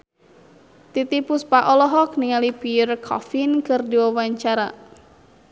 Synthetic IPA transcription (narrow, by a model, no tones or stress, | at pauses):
t̪it̪ipuspaʔɔlɔɦɔk̚niŋalipirkʰɔ̰finkɨrdiwawaɲt͡ʃaɾa